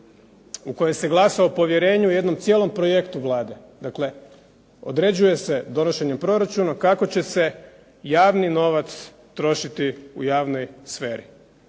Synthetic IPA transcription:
uko̞jemse̞ɡlˠasaopo̞ʋje̞ɾe̞ːɲuje̞d̪no̞mt̪sjeːlˠo̞mpɾo̞je̞kt̪uʋlˠaːd̪e̞ | d̪akle̞ | o̞̰d̪ɾe̞d͡ʑuje̞se̞d̪o̞no̞ʃe̞ɲempɾo̞ɾat͡ʃunakako̞t͡ɕe̞se̞ | jaːʋnino̞ʋat̪s | t̪ɾo̞ʃit̪iujaːʋno̞jsfe̞ːɾḭ

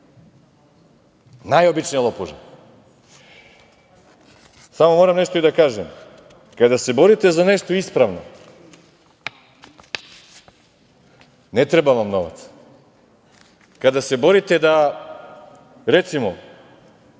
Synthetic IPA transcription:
najobit͡ʃnijalˠɔpɔʒa̰ | samomɔɾamnɛʃt̪oid̪akaʒɛm | kad̪asɛbɔɾit̪ɛzanɛʃt̪oispɾavnɔ | nɛt̪ɾɛbavamnɔva̰t̪s | kad̪asɛbɔɾit̪ɛd̪a | ɾɛt̪simɔ

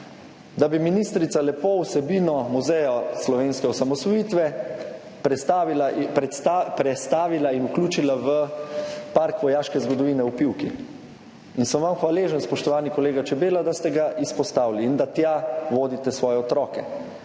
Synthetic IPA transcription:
d̪abiminiːst̪ɾit̪salɛpowsɛbiːnɔmuzɛjɔslɔʋeːnskɛɔsamɔsʋɔjiːt̪ʋɛ | pɾɛst̪aːʋilainukluːt͡ʃilaʋə | paɾkʋɔjaːʃkɛzɡɔd̪ɔʋiːnɛupiwki | insəmʋamxʋaleːʒənspɔʃt̪ɔʋaːnikɔleːɡat͡ʃɛbeːlad̪ast̪ɛɡaʔispɔst̪aːwliːnd̪at̪jaʋoːd̪it̪ɛsʋɔːjɛɔt̪ɾɔːkɛ

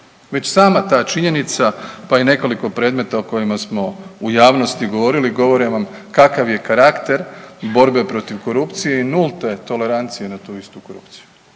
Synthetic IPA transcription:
ʋe̞t͡ɕsaːmat̪aːt͡ʃiɲe̞nit̪sapaine̞ko̞liko̞pɾe̞ːd̪me̞t̪aoko̞jimasmo̞ujaːʋno̞st̪iɡo̞ʋo̞ɾiliɡo̞ʋo̞ɾeʋam | kakaʋje̞kaɾakt̪e̞ɾbo̞ɾbe̞pɾo̞t̪iʋko̞ɾupt̪sije̞inulˠt̪e̞t̪o̞le̞ɾant̪sije̞nat̪uːist̪uko̞ɾṵpt̪si̥ju̥

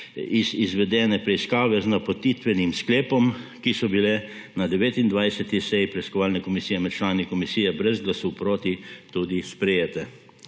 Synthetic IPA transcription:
izizʋɛd̪ɛːnɛpɾɛiskaːʋɛznapot̪iːt̪ʋɛnimskleːpɔmkisɔbilɛ | nad̪ɛʋeːt̪ind̪ʋajsɛt̪isɛjipɾɛiskɔʋaːlnɛkɔmisijɛmɛt̪̚t͡ʃlaːnikɔmisiːjɛbɾɛzɡlasɔwpɾoːt̪it̪uːd̪ispɾɛjeːt̪ɛ

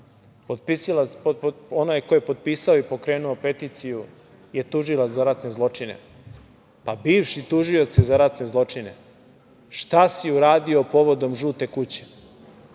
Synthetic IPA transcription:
pod̪pisila | onajkojepo̞d̪̚piːsaoipo̞kɾe̞ːnuope̞t̪it̪siju | je̞t̪uʒilˠat̪zaɾat̪ne̞zlˠo̞t͡ʂinḛ | pabiːʋʃit̪uʒio̞t̪sezaɾat̪ne̞zlˠo̞t͡ʂine̞̰ | ʃt̪asiuɾaːd̪io̞po̞ʋo̞d̪o̞mʒuːt̪e̞kut͡ɕe̥

